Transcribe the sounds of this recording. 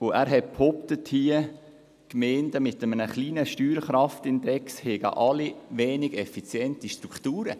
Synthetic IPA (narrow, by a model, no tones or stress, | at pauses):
ʊʔæːɾɦɛt̚pʰhɔptəthiə | kmɛːndəmɪtəmənəχliːnəʃtyːɾχɾɑftɪndɛkshɛɡ̥ə̰ʔɑliʋɛːnɪɡɛfit͡sjɛntiʃtɾukχtuːɾə̰